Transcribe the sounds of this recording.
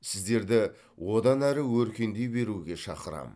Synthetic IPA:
sɪzd̪e̞ɾd̪ɪ | wʔo̞d̪ɑnæɾɪwɵɾkʲe̞nd̪e̞jbe̞ɾuɡʲe̞ʃɑqəɾɑ̰m

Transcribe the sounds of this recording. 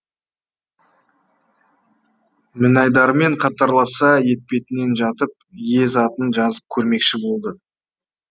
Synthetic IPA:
mɪnɑjd̪ɑɾme̞ɴqʰɑt̪ɑɾlˠɑsɑje̞t̪̚pe̞t̪ɪne̞nʒɑt̪əp̚je̞zɑt̪ənʒɑzəp̚kʲʰɵɾme̞kʃɪbo̞lˠd̪ə

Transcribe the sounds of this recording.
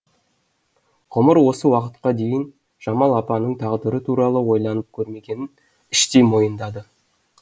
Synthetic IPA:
ʁʊməɾwo̞səwɑqət̪̚qɑd̪e̞jɪn | ʒ̥ɑmɑlˠɑpɑnəɴt̪ʰɑʁd̪əɾət̪ʰuɾɑlˠəwo̞jlˠɑnəp̚kʲʰɵɾme̞ɡʲe̞nɪn | ɪʃt̪emo̞jənd̪ɑd̪ə

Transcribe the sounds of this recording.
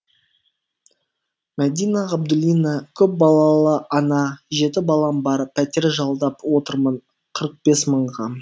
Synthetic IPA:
mæd̪ijnaʁɑb̚d̪ʊlʲijnɑkʲʰɵp̚bɑlˠɑlˠəɑnɑʒe̞t̪ɪbɑlˠɑmbɑɾpʰːæt̪e̞ɾʒɑlˠd̪ɑpwo̞t̪əɾməɴ | qʰəɾəq̚b̥e̞sməɴʁɑ

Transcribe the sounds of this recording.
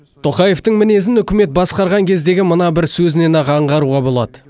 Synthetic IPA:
t̪ʰo̞qɑje̞ft̪əɴmɪne̞zɪnʏkʲɪme̞t̪̚bɑsqɑɾʁɑŋkʲʰe̞zd̪e̞ɡʲɪmənɑbɪɾsɵzɪne̞nɑʁɑɴʁɑɾuʁɑbo̞lˠɑ̰d̪ə

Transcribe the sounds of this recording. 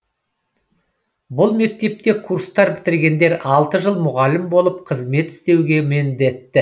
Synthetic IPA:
bʊlˠme̞k̚t̪e̞p̚t̪e̞kʰuɾst̪ɑɾbɪt̪ɪɾɡʲe̞nd̪e̞ɾɑlˠt̪əʒəlˠmʊʁɑlɪmbo̞lˠəp̚qʰəzme̞t̪ɪ̥st̪e̞wɡʲe̞mɪnd̪e̞t̪ːɪ

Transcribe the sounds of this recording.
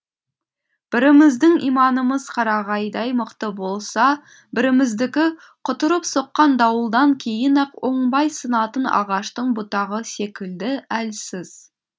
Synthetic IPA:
b̥ɪɾɪmɪzd̪ɪŋijmɑnəməzqʰɑɾɑʁɑjd̪ɑjməqt̪əbo̞lˠsɑ | bɪɾɪmɪzd̪ɪkʲɪ | qʰʊt̪əɾəpso̞qːɑnd̪ɑwəlˠd̪ɑŋkʲʰe̞jɪnɑqwoɴbɑjsənɑt̪ənɑ̰ʁɑʃt̪əɴbʊt̪ɑʁəse̞kʲɪld̪ɪælsɪz̥

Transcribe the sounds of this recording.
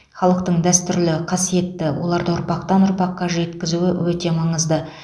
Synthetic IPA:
χɑlˠəq̚t̪əɴd̪æst̪ʏɾlɪqʰɑsije̞t̪ːɪwo̞̰lˠɑɾd̪əʊɾpɑq̚t̪ɑnʊɾpɑqːɑʒe̞t̪kʲɪzuɪwɵt̪e̞mɑɴəzd̪ə

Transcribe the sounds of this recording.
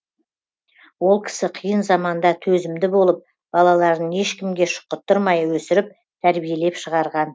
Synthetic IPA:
wo̞lˠkʲʰɪ̥sɪqʰijənzɑmɑnd̪ɑt̪ʰɵzɪmd̪ɪbo̞lˠəp̚ | b̥ɑlˠɑlˠɑɾd̪əne̞ʃkʲɪmɡʲe̞ʃʊ̥qːət̪ːʊɾmɑjwɵsɪɾɪp̚ | t̪ʰæɾbije̞le̞pʃəʁɑɾʁɑn

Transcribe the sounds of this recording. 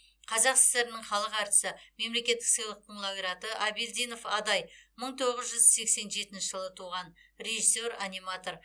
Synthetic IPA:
qʰɑzɑqsɪ̥st̪e̞ɾɪnɪɴχɑlˠəqɑɾt̪ə̥səme̞mle̞kʲe̞t̪ːɪ̥ksijlˠəq̚t̪əɴlˠaɡɾat̪əʔabilʲd̪ino̞fɑd̪ɑjməɴt̪ʰo̞ʁəzʒʏzse̞kse̞nʒe̞t̪ɪnʃɪʒəlˠət̪ʰuʁɑnɾe̞ʒiso̞ɾanʲijmat̪o̞r

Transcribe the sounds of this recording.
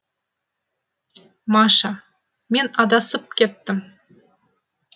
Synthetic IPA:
mɑʃɑ | mʲenʲɑd̪ɑsɤp̚ket̪ːɘ̆m

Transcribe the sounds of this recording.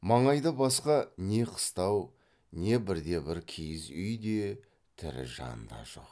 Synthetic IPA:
mɑɴɑjd̪əbɑsqɑne̞qʰə̥st̪ɑw | ne̞bɪɾd̪e̞bɪɾkʲʰejɪzʏjd̪e̞ | t̪ʰɪ̰ɾɪ̰ʒɑ̰nə̰nd̪ɑ̰ʒo̞̰q

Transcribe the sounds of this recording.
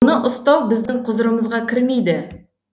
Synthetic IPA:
nəʔʊst̪ɑwˠbɪzd̪ɪŋqʰʊzəɾəməzʁɑkʲʰɪɾme̞jd̪ɪ

